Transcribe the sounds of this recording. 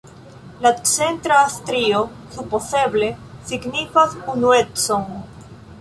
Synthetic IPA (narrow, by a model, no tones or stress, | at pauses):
lat͡se̞nt̪ɾaːst̪ɾio | supose̞ble̞siɡnifasunuet͡son